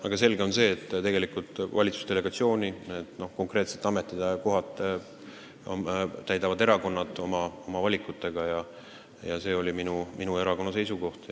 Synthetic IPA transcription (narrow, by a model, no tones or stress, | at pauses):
ɑɡ̥ɑs̬e̞lɡeo̞nse̞ːt̪ːt̪e̞ɡe̞likult̪ːˑvɑ̰lʲit̪su̥st̪e̞le̞ɡ̥ɑt̪sio̞ːnʲiet̪no̞hko̞ŋkɾe̞ːt̪se̞̥t̪ːˑɑme̞t̪ˑːid̪̥eko̞ɦɑt̪ˑː | ot̪æjd̪ɑvɑd̪e̞ɾɑko̞nːɑt̪ˑo̞mɑo̞mɑvɑlʲikːˑut̪ːˑe̞ɡ̥ɑjɑ | jɑse̞ːo̞lʲiminumʔinue̞ɾɑkonːɑs̬e̞jsuko̞ht̪